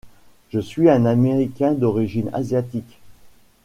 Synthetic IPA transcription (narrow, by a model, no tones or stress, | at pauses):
ʒ̥əsɥiɛ̃nameʁikʲɛ̃d̪ɔʁiʒina̰zjat̪ik